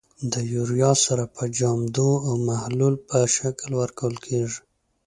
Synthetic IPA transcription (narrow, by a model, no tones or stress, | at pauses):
d̪əjuɾijɑsaɾapʰəd͡ʒɑmd̪oawmahlulpəʃaklwəɾkawəlkʰeʐi̥